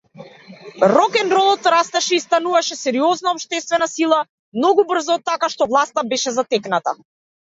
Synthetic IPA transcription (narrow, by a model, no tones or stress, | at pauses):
ɾɔkɛnɾɔlˠɔt̪ɾast̪ɛʃɛist̪anuvaʃɛsɛɾiɔznaɔpʃt̪ɛst̪vɛnasilˠa | mnɔɡubr̩zɔːt̪ːakaʃt̪ɔvlˠast̪abɛʃɛzat̪ɛknat̪a̰